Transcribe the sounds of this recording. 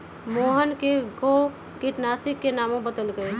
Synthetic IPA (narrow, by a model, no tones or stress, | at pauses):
moːɦənkeɡo | kiʈnaːsikːenaːmõbəd̪əlɡəe